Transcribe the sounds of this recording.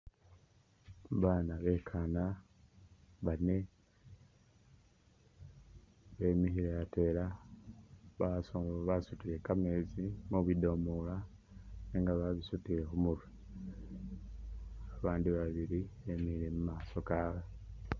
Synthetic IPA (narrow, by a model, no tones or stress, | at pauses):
βaːnaβe̞kʰana | βane̞ | βe̞ːmixiɾeate̞la | βasoβasutiɾe̞kame̞ːzimoβidomola | neŋɡaβaβisutiɾe̞xumuɾwe | aβaːndiβaβiɾiβemihiɾe̞mumaːso̞kaːwe